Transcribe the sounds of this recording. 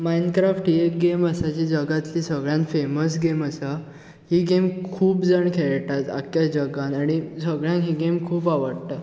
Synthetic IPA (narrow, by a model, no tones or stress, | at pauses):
mainkɾafʈekɡeməsat͡ɕid͡ʑəɡat̪liːsəɡɭjãnfeməs̬ɡeməsa | hiɡemkʰuːpd͡zəɳkʰeɭʈ̪at̪a̰kjad͡ʑəɡãnaɽ̃isəɡɭjãnɦiɡemkʰuːpaʋəɽt̪a